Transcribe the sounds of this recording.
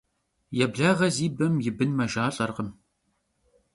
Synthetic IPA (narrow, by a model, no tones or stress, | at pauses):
jɛbɮaːʁɐziːbɐmjɪbɨnmɐʒaːɬʼɐrʁəm